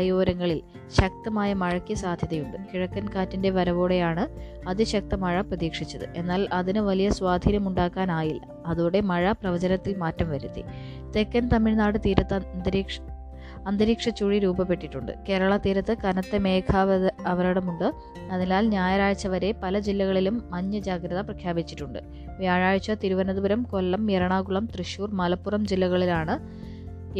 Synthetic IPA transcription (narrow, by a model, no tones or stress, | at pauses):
joːɾɐŋːɐɭil | ɕɐk̚t̪ɐmaːjɐmɐɻɐkːijɐsaːd̪ʱjɐðɐjuɳɖɨkiɻɐkːɐnkaːtːinde̞ʋɐɾɐʋoːɽejaːɳɨ | ɐðiɕɐk̚t̪ɐmɐɻɐprɐðiːkʂit͡ɕːɐðɨ̰ʔe̞nːaːlɐðinɨʋɐlijɐswaːd̪ʱiːnjɐmuɳɖaːkːaːnaːjilɐ | ɐðuːɽe̞mɐɻɐprɐʋɐd͡ʑɐnɐt̪ːilmaːtːɐmʋɐɾut̪ːḭ | t̪e̞kːɐnt̪ɐmːiɻnaːɽɨt̪iːɾɐt̪ːnd̪ɐɾiʂ | ɐnd̪ɐɾiːkʂɐt͡ɕːuːɻiɾuːbɐpe̞ʈːiʈːuɳɖɨ̰ke̞ːɾɐɭɐt̪iːɾɐt̪ːɨkɐnɐt̪ːemeːkʰaɐʋɐɾɐɽɐmuɳɖɨ | ɐðinaːlɲaːjɐɾaːɻt͡ɕːɐʋɐɾe̞pɐlɐd͡ʑilːɐɣɐɭilumːɐɲːɐd͡ʑaːɡɾɐðɐprɐkʰjaːbit͡ɕːi̥ʈːuɳɖɨ̰ | ʋjaːɻaːɻt͡ɕːɐt̪iɾuʋɐnɐðubɐɾɐmko̞lːɐmjeɾɐɳaːɡuɭɐmt̪rɨɕuːrmɐlɐpːurɐmd͡ʑilːɐɣɐɭilaːɳɨ